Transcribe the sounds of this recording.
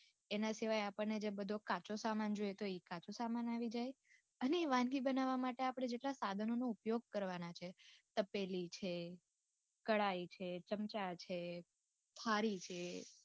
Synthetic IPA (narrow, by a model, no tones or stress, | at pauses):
enasiʋajapəɳned͡ʒebəd̪ʱokat͡ʃosamand͡ʒojet̪oikat͡ʃosamanaʋid͡ʒaj | əneːʋãnɡibənaʋamaʈeapəɽ̃ed͡ʒeʈlasad̪ʱənonoupjoɡ̚kəɾʋanat͡ʃʰet̪əpelit͡ʃʰe | kəɭait͡ʃʰet͡ʃəmt͡ʃat͡ʃʰe | t̪ʰaɾit͡ʃʰe